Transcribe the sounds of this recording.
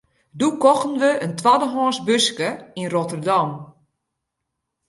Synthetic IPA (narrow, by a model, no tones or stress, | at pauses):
dukɔxn̩ʋəəntʋadəɦɔːnsbøskəinrotərdam